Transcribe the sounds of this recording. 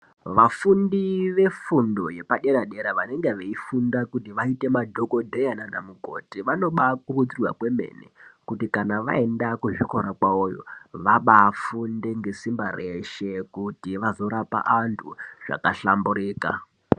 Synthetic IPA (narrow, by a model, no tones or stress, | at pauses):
ʋafundiʋe̞fundo̞je̞paɗe̞ɾaɗe̞ɾaʋane̞ŋɡeʋeifundakutiʋaite̞madʱo̞ko̞dʱejananamuko̰tiʋano̞ɓakurud͡zirwa̰kwe̞mḛnḛkutikanaʋa̰e̞ndakuʐikoɾakwaojo̰ʋaɓafunde̞ŋɡe̞simbareʃe̞kutiʋazo̞ɾapa̰ʔantʰṵʐ̥a̰kaɬambuɾiːka̰